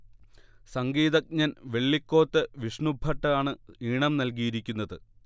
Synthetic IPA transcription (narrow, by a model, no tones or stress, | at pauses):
sɐŋɡiːðɐk̚ɲɐnʋe̞ɭːikːo̞ːt̪ːɨʋiʂɳubʱɐʈːɐaːɳɨiːɳɐmnɐlk̬ijiɾikʲːunːɐðɨ